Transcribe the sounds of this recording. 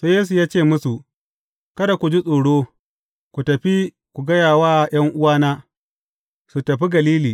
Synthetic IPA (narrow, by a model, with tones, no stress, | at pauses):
soː˦jeː˦s̬u˨jaː˦t͡ʃeː˦˨mʊ˦su˨ | kɐ˦da˨kʷu˨d͡ʒi˦sʼoː˨ɽoː˦ | kʷu˨tɐ˨ɸi˦ | kʷu˨ɡɐ˦jaː˨waː˦˨j̰ɐ˦ŋʔʊ˦waː˦naː˦ | su˨tɐ˨ɸi˦ɡɐ˨liː˦liː˨